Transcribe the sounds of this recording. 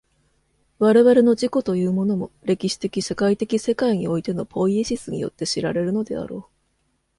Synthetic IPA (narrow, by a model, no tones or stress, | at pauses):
βaɾe̞βaɾe̞no̞d͡ʑiko̞t̪o̞jɯ̟ːmo̞no̞mo̞ɾe̞kʲiɕi̥t̪e̞kʲiɕekait̪e̞kʲise̞kaiɲ̟io̞it̪e̞no̞pʰo̞ieɕisɨɲ̟ḭjo̞̰t̪ːe̞ɕiɾaɾe̞ɾɯ̟no̞d̪e̞̰a̰ɾo̞ː